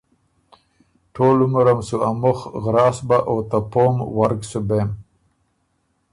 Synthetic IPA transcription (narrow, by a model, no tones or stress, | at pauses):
ʈʰoːlumaɾamsuamʊxɣɾɑːsbaʔot̪apomwaɾksubem